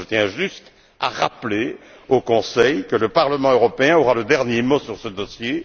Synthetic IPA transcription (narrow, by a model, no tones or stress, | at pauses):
ət̪jɛ̃ʒyst̪ | a̰ʁa̰ple | okɔ̃sɛjkələpaʁləmɑ̃øʁɔpeɛ̃ɔʁaləd̪ɛʁnjemosyʁsəd̪ɔsje